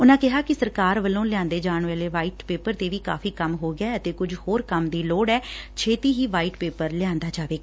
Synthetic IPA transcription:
ʊnãːkɪɦaːkɪsəɾkaːɾʋəlõːlɪãːnd̪eːd͡ʒaːɳʋeːleːʋaːiːʈpeːpəɾt̪eːʋiːka̰ːfʰiːkəmɦoːɡɪaːət̪eːkʊd͡ʒhoːɾkəmd̪iːloːɖɛːt͡ʃʰeːt̪iːɦiːʋaːiːʈpeːpəɾlɪjãːnd̪aːd͡ʒaːʋeːɡː

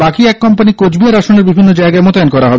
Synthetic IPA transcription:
bakiɛkːɔmpanikod͡ʑbiaɾaʃoneɾbibʱinːod͡ʑaeɡaemot̪aankɔɾaɦɔbe

